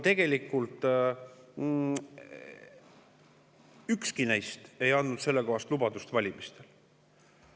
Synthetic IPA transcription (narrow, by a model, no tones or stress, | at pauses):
t̪e̞ɡ̥e̞likːˑult̪ˑ | ykskinæjst̪e̞jɑnd̪nud̪se̞lːeko̞ɦɑst̪lubɑd̪ust̪vɑlʲimist̪e̞l